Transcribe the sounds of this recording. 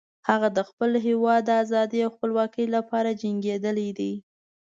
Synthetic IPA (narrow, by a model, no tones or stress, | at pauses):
haɣad̪əxpəlɦewɑd̪ːazɑd̪iawxpəlwɑkəjlapɑɾad͡ʒaŋɡed̪əlid̪i